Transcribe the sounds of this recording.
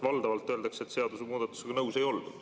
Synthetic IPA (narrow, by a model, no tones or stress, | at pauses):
vɑld̪ɑvɑlt̪ːˑø̞ld̪ɑkset̪ːse̞ɑd̪̥usemuːd̪̥ɑt̪ːˑu̥seɡɑnɤwse̞jo̞ld̪̥ṵ̥